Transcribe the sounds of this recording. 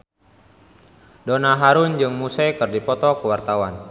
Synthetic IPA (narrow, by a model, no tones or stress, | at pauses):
donaɦaɾund͡ʒɨŋmusɛjkɨrdipɔt̪ɔkəwart̪awan